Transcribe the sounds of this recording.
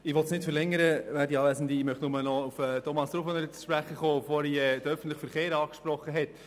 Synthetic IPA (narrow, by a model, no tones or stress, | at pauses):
ɪʋɔtsnɪtfəɾlɛŋəɾəvæːɾdiɑːʋæsn̩diɪmœχtnʊmənɔufɛtʰɔmɑsd̥̪ɾuːfʋɔnɛɾt͡sʃpɾæχəχoːbfoɾiɛd̥̪əœfən̩tlɪχfəɾχeːɾɑːkʃpɾɔχəɦɛt